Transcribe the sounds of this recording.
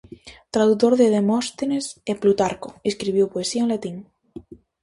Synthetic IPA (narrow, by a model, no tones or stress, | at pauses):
t̪ɾaðuk̚t̪oɾðeðemɔst̪eneseplut̪aɾkoiskɾiβjowpoesiaenlat̪iŋ